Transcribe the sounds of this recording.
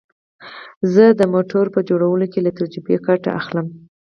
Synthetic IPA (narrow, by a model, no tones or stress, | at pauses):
zəd̪əmoʈoɾpəd͡ʒoɽawəlokelat̪aɾd͡ʒɾubekaʈa̰ʔa̰xləm